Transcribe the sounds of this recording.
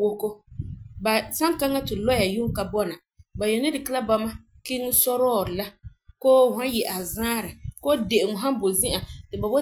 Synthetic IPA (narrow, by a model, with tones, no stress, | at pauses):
wo˦ko˦ba˨sã˦ŋka˦ŋa˦tɪ˨lɔ˦ja˨jʊ˦ŋ˦ka˨bɔ˦na˨ | ba˨jɔ˨nɪ˦dɪ˨kɪ˦la˦ba˦ma˦ | kɪ˦ŋɪ˦sɔ˦ɾɔː˦˨ɾla˦ | koː˦˨ha˦jɛ˨ʔa˨zaː˦ɾɪ˨koː˦de˨ʔɪ˨ŋ˨ɦã˦nbo˨zɪ˦ʔa˨tɪ˨ba˨bɔ˦